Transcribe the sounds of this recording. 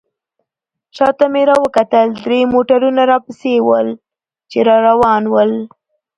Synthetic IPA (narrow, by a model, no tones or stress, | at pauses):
ʃɑt̪ameɾɑwəkat̪əld̪ɾemoʈaɾunaɾɑpəsewəl | t͡ʃeɾɑɾawɑnwəl